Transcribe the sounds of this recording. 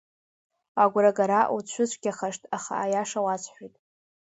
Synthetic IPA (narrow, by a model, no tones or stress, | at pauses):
aɡʷɾaɡaɾaʔut͡ɕʷʰʊt͡ɕʷʰʼɡʲaχaʂtʰʼaχa̰ːjaʂawat͡ɕʷʰħʷijtʼ